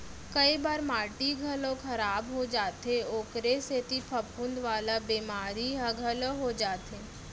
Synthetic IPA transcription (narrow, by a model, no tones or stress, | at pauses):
kɐibaːɾmaːʈiɡʱəlõkʰɐɾaːbɦod͡ʒaːt̪eoːkɾeset̪ipʰɐpʰʊ̃nd̪ʋaːlabiːmaːɾiɦãɡʱəloɦod͡ʒaːt̪eː